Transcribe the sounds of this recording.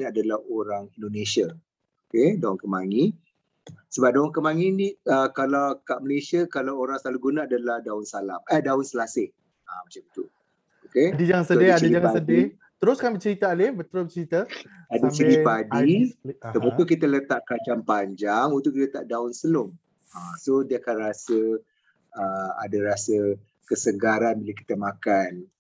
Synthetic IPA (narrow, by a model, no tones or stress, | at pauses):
nadalahoɾaŋindonesiə | okedaunkəmaŋi | səbap̚daunkəmaŋiniəkalawkaʔməlesiəkalawoɾaŋsaluɡunaadalahdaʊnsala̰məhdaʊnsəlasɪh | amət͡ʃamit̪u | okedid͡ʒaŋansədɪadiaŋasədi | t̪əɾʊskanbət͡ʃəɾit̪aːlɪbət̪əɾʊbət͡ʃəɾit̪əadət͡ʃəɾipadit̪əmukukit̪ələt̪aʔkat͡ʃampaɲd͡ʒaŋunt̪ʊʔkit̪ət̪aʔdaʊnsənʊŋ | asodiakanrasə | əa̰daɾasə | kəsəɡaɾanbilaki̥t̪əmakan